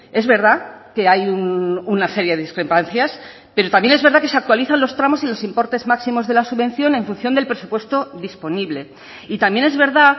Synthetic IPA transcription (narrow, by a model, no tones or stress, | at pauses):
e̞zβe̞ɾðake̞ajununase̞ɾjeðeðiskɾe̞panθjas | pe̞ɾo̞t̪amje̞nezβeɾðakes̬eak̚t̪waliθanlo̞st̪ɾamo̞silo̞simpo̞ɾt̪e̞zmaksimo̞zðe̞lasuβe̞n̟θjo̞ne̞ɱfun̟θjo̞nd̪elpɾe̞supwe̞st̪o̞ðispo̞niβle̞ | it̪amje̞ne̞zβe̞ɾða